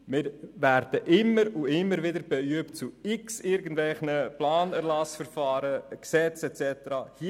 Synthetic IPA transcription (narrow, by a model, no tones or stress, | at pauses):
mɪɾvæɾd̥əʔɪmːəɾuɪmːəɾʋɪdəɾb̥ɛyəpt͡suɪksɪɾɡəndvɛlχnəplɑːnɛɾlɑsfəɾfɑːɾəksɛt͡sɛt͡sɛt̪əɾɑhi